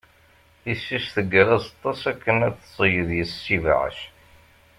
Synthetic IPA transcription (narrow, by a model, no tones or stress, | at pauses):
isːisθəɡɾˤæzɑt̪ˤːɑsækːənæt͡sːsˤəjəðjəsːiv̰ʕə̰ʃ